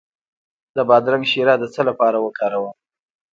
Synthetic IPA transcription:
d̪əbɑd̪ɾaŋɡʃiɾɑd̪ət͡səlapɑɾawəkʰɑɾawə

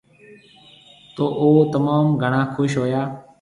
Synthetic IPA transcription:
t̪oːʔoːt̪əmaːmɡʱəɳaːkʰʊʃɦoːjaː

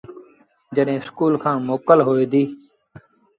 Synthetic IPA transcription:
d͡ʒəɗɦẽːskuːlkʰãːmoːkəlɦoːeːd̪iː

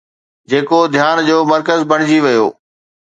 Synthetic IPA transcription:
d͡ʑeːkod̪ʱjaːnd͡ʑoːmɐɾkəzbʱɐɽ̃ɪd͡ʑiʋɐjo̰ː

